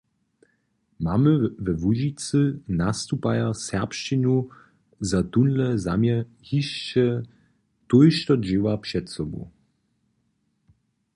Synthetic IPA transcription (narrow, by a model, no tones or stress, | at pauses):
maməvɛvuʒit͡sɨnast̪upajasɛʁpʃt͡ʃinu | zat̪unlɛza̰mjɛ | hiʃt͡ʃɛ | t̪ujʃt̪ɔd͡ʑɪwapʂɛtsɔbṵ